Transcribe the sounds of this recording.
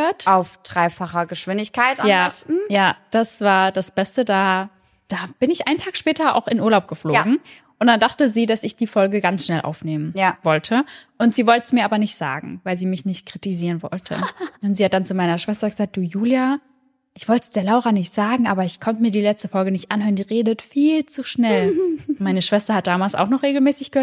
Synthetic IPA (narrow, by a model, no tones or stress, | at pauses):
øɐtʔaʊfd̥ʁaɪfaχɐɡəʃv̥ɪndɪçkʰaɪtʔajaːstn̩jaːd̥asv̥aːɐdasb̥ɛstədaː | d̥aːb̥ɪnɪçʔaɪntʰaːkʃpɛːtɐʔa̰ʊxɪnʔuɐlaʊp̚ɡ̥əfloːɡŋ̩ | ʔʊntd̥andaχtəziːdasɪçd̥iːfɔlɡəɡansʃnɛlʔa̰ʊfneːmənjavɔltʰəʔʊntz̥iːvɔltəsmiːɐʔaːbɐnɪçtz̥a̰ːɡŋ̩vaɪlziːmɪçnɪçt̚kʁ̥itiziːʁənvɔ̰ltʰə̰̥anziːhat̚d̥ant͡sumaɪnɐʃv̥ɛstɐɡəzaːk̚d̥uːjuːlja | ʔɪçv̥ɔltsd̥eːɐlaʊʁɐnɪçtz̥aːɡŋ̩ʔaːbɐɪçkʰɔntəmiːɐdiːlɛt͡stəfɔlɡənɪçtʔanhɦøːʁəndiːʁeːdətfiːlt͡suʃnɛlmaɪnəʃv̥ɛstɐhat̚d̥aːmaːlsa̰ʊxχnɔχʁ̥eːɡl̩mɛːsɪçɡ̥əhø